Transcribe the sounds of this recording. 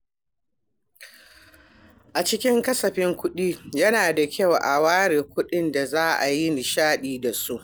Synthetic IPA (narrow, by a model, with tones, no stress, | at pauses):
ʔa˨t͡ʃɪ˦kʲɪ˦ŋkɐ˦sɐ˨ɸɪ˦ŋkʷʊ˦ɗiː˦jɐ˦naː˨da˨kʲɐ˦˨wʔa˨waː˦ɽeː˨kʷʊ˦ɗɪ˦nda˨zaː˦ʔa˨ji˦ni˨ʃaː˦ɗiː˨da˨su˦ʔ